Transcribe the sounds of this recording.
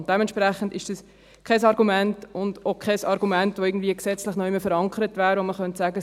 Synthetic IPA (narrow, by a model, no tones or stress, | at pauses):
nt̚d̥ɛmɛntʃpɾæχən̩dɪʃd̥ɑs | kʰɛsɑɾɡumɛntʊnd̥okʰɛsɑɾɡumɛntʋoɪɡən̩dviəksɛt͡slɪχnɔʏɪməfəɾɑŋkʰəɾətvæːɾvoməχœntsæːɡə